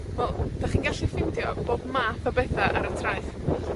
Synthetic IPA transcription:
wɛlˠd̥aχiːnɡaɬifɪwdjɔb̥oːdmaːpʰabɛθaʔaɾəntʰrajθ

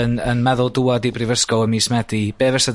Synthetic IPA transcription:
ənənmɛðʊlˠduadibrɪvəskɔəmiːsmɛdib̥eːvɛsəd

